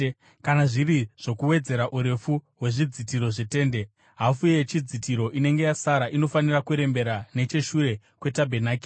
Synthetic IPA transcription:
kanaʐiriʐ̥o̞kuwe̞d͡ze̞ɾaʔuɾe̞fuɦwe̞ʐid͡zitiɾo̞ʐete̞ːnde̞ | ɦafujjet͡ʃid͡zitiɾo̞ʔine̞ŋɡe̞jasaɾaʔino̞fanirakuɾe̞mbe̞ɾane̞t͡ʃe̞ʃuɾe̞ | kwe̞tabʱe̞naːki̥

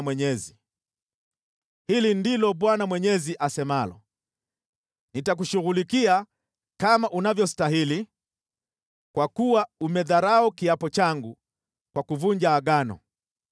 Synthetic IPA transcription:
mwɛɲɛzi | hilindilɔɓwanamwɛɲɛziʔasɛmalɔ̰ | nitak̬uʃuɣulikia | kamaʔunavjɔstaɦili | kwakuwaumɛðaɾaɔkiapɔt͡ʃaŋɡu | kwakuvuɲd͡ʒaaɡanɔ̰

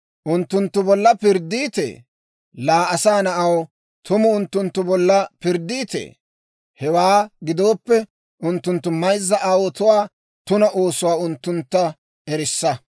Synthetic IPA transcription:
ʔʊnt̪ːʊnt̪ːʊbɔlːɐpɪɾd̪iːt̪ḛː | laːɐsaːnɐʔɐw | t̪ʊmʊʊnt̪ːʊnt̪ːʊbɔlːɐpɪɾd̪iːt̪ḛː | hɛwaːɡɪd̪o̞ːpːɛ | ʊnt̪ːʊnt̪ːʊmɐjzːɐʔaːwɔt̪ʊwaː | t̪ʊnɐʔo̞ːsʊwaːʊnt̪ːʊnt̪ːɐ | ɛɾɪsːɐ

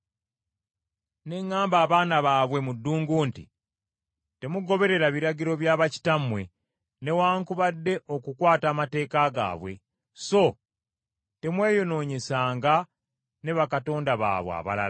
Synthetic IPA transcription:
ne̞ŋːaːmbaːβaːnaβaːβwe̞mudːuːŋɡuːntḭ | te̞muɡo̞βe̞ɾe̞ɾaβiɾaɟiɾo̞βjaːβaci̥tamwe̞ | ne̞waːŋkuβadːe̞ʔo̞kukwaːtaːmate̞ːkaɡa̰ːβwe̞̰ | so̞ | te̞mwe̞ːjo̞no̞ːɲe̞saːŋɡa | ne̞βakato̞ːndaβa̰ːβw̰a̰βa̰la̰a

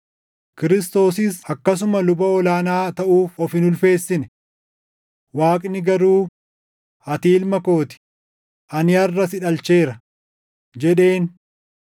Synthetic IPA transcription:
kɪɾɪst̪o̞ːsɪsɐkːɐs̬ʊmɐlʊbɐɔlaːnaːt̪ɐʔuːfɔfɪnʊlfe̞ːsːɪnɛ̥ | waːkʼnɪɡɐɾuː | ɐt̪iːlmɐko̞ːt̪ɪ̥ | ʔɐnɪɐrːɐsɪᶑɐlt͡ʃe̞ːɾɐ | d͡ʒɛᶑe̞ːn

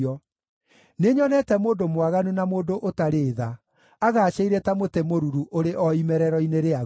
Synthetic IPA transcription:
ɔ | neɲɔnɛtɛmoːndomwaɣanunamoːndoʔotaɾeːða | aɣaːɕeiɾɛtamotemoɾuɾuʔoɾeʔɔimɛɾɛɾɔineɾea

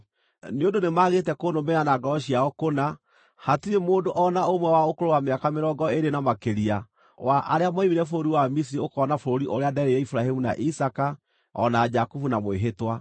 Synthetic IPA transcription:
neondonemaɣetɛkonomeanaɡɔɔɕiaɔkona | hatiɾemoːndoʔɔnaomwɛwaokoɾowameakameɾɔɡɔeɾenamakeɾia | waʔaɾeamaimiɾɛfoɾoɾiwamis̬iɾiokɔnafooɾiʔoɾeadɛɾeɛifuɾahemuna̰ʔisaka | ɔ̰nad͡ʒakufunamoeɦetwa

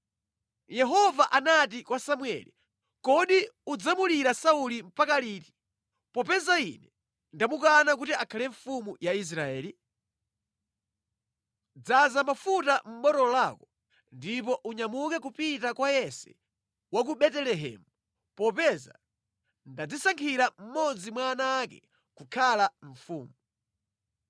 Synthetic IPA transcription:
jɛɦɔvaʔanat̬ikwasamwɛ̰lḭ | kɔɗiud͡zamuliɾasaulim̩pakaliːti̥ | pɔpɛzainɛ | ndamukanak̬utiakʰalɛɱ̩fumujais̬ɾaɛːli | d͡zazamafutam̩ɓɔtɔlakɔ | ndipɔʔuɲamukɛk̬upitakwajɛsɛ̰ | wak̬uɓɛtɛlɛɦɛ̰mu | pɔpɛza̰ | ndad͡zisaŋkʰiɾam̩mɔd͡zimwaːnaːkɛ̰ | kukʰalaɱ̩fuːmuu

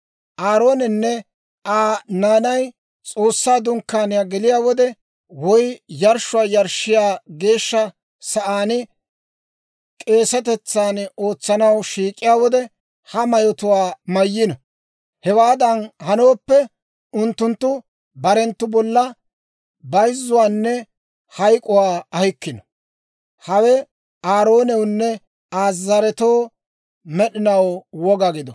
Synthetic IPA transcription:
ʔaːɾo̞ːnɪnːɛ | aːnaːnɐj | t͡sʼo̞ːsːaːd̪ʊŋkːaːnɪjaːɡɛlɪjaːwɔd̪ɛ | wɔjjɐɾʃʊwaːjɐɾʃɪjaːɡe̞ːʃːɐ | sɐʔaːnɪ | kʼe̞ːsɐt̪ɛt͡sːaːno̞ːt͡sːɐnɐwʃiːkʼːɪjaːwɔd̪ɛ | hɐmɐjɔt̪ʊwaːmɐjːɪnɐ | hɛwaːd̪ɐnhɐnoːpːɛ | ʊnt̪ːʊnt̪ːʊ | bɐɾɛnt̪ːʊbɔlːɐ | bɐjzːʊwaːnːɛ | hɐjkʼʊwaːɐhɪkːɪnɔ | hɐwɛ | aːɾo̞ːnɛwnːɛ | aːzːɐɾɛt̪o̞ː | mɛɗɪnɐwwɔɡɐɡɪd̪ɔ

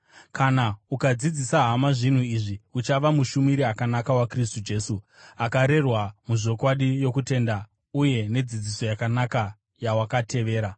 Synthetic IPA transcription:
kʰanaukad͡zid͡zisaɦamaʐin̤uiʐiut͡ʃaʋamuʃumiɾiakanakawakris̬tud͡ʒe̞su | akaɾe̞rwamuʐo̞kwaɗijo̞kute̞nda | uje̞ne̞d͡zid͡ziso̞jakanaka | jawakatʰe̞ʋe̞ːɾa

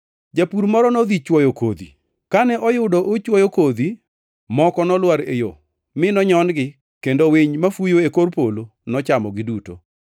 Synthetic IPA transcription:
d͡ʒapuɾmɔɾɔnɔd̪it͡ʃwɔjoko̰d̪ḭ | kanɛʔɔjʊdɔʔot͡ʃwɔjokod̪i | mɔkɔnɔlwaɾḛjo̰ | mɪnɔɲɔnɡɪ | kendowɪɲmafujoekorpolo | nɔt͡ʃamɔɡɪduto̰

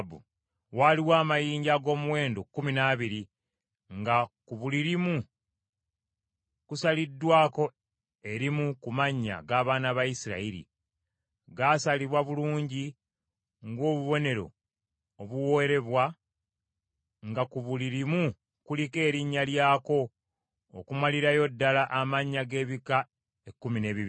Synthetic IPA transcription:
bṵ | waliwaːmajiːɲɟaɡo̞ːmuwe̞ːndokːuminaːβiɾi | ŋɡakuβuliɾimu | kusalidːwaːko̞ | e̞ɾimukumaɲːa̰ɡaːβaːnaβajisiɾa̰iɾḭ | ɡasaliβwaβuluːɲɟi | ŋɡo̞ːβuβo̞ne̞ɾo̞̰ | oβuwo̞eɾe̞βwa | ŋɡakuβuliɾimu | kulike̞ːɾiɲːaljaːko̞̰ː | kumaliɾajo̞dːalaʔamaɲːaɡe̞ːβika | e̞kːumine̞ːβiβ

